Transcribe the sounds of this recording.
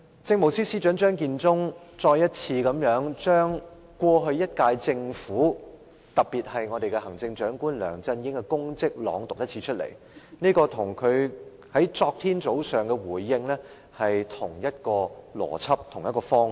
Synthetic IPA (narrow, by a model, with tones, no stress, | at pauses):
t͡sɪ˧ŋmo˨˩wsiː˥siː˥t͡ʃœː˨˥ŋt͡ʃœː˥ŋkiː˧nt͡sʊ˥ŋt͡ʃɔː˧jɐ˥t̚t͡sʰiː˧kɐ˨˧˥mjœː˨˥ŋt͡ʃœː˥ŋ | kʷwɔː˧ɦɵ˧ɥjɐ˥t̚kaː˧jt͡sɪ˧ŋfuː˨˥ | t̪ɐ˨piː˨t̚hɐ˨jŋɔ˨˧ɾe˨jkɛ˧hɐ˨˩ŋt͡sɪ˧ŋt͡ʃœː˨˥ŋkuː˥nlœ̰ː˨˩ŋt͡sɐ˧njɪ˨˥ŋkɛ˧kʊ˥ŋt͡sɪ˥k̚lɔ̰ː˨˧ŋt̪ʊ˨k̚jɐ˥t̚t͡sʰiː˧˥t͡ʃʰɵ˥t̚lḛ˨˩j | niː˥kɔː˧t̪ʰʊ˨˩ŋkʰɵ˨˧ɥ | hɐ˨˥jt͡sɔː˧k̚t̪ʰiː˥nt͡so˨˥wsœː˨˩ŋkɛ˧wuː˨˩jːɪ˧ŋlɛː˥ | hɐ˨jt̪ʰʊ˨˩ŋjɐ˥t̚kɔː˧lɔ̰ː˨˩t͡sʰɐ˥p̚t̪ʰʊ˨˩ŋjɐ˥tkɔː˧fɔː˥ŋ